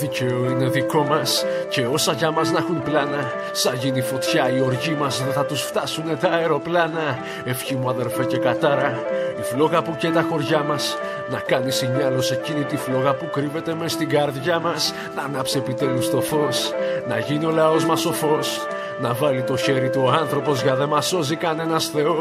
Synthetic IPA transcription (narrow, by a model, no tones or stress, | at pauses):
ðice̞oine̞ðiko̞mɐs | ce̞o̞sɐʝɐmɐznɐxunplɐnɐ | sɐʝinifo̞t̪çɐio̞ɾʝimɐzðeθɐt̪usft̪ɐsune̞t̪ɐe̞ɾo̞plɐnɐ | e̞fçimuɐðe̞ɾfe̞ce̞kɐt̪ɐɾɐiflo̞ɣɐpucet̪ɐxo̞ɾʝɐmɐs | nɐkɐnisiɲɐlo̞se̞cinit̪iflo̞ɣɐpukɾive̞t̪e̞me̞st̪iɡɐɾðʝɐmɐs | nɐnɐpsie̞pit̪e̞lust̪o̞fo̞snɐʝinio̞lɐo̞zmɐso̞fo̞s | nɐvɐlit̪o̞çe̞ɾit̪uoɐnθɾo̞po̞zʝɐðe̞mɐso̞zikɐne̞nɐsθe̞o̞